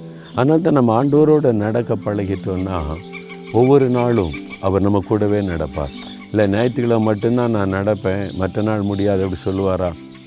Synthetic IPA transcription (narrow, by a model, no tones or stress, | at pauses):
ɐðɐnaːlɐt̪ãːnɐmːɐaːɳɖɐʋɐɾoːɽɐnɐɽɐkːɐpːɐɭɐɣɪt̪ːoːnːaː | ɔʋːɔɾɯnaːɭɯ̃ | ɐʋɐɾnɐmːɐkːuːɽɐʋeːnɐɽɐpːa̰ːɾ | ɪlːɐnɛjɐt̪ːɯɣɐɭɐmɐʈːɯnt̪ãːnãːnɐɽɐpːẽːmɐʈrɐnaːɭmʊɽɪjaːðɛpːɐɽisɔlːɯʋaːɾaː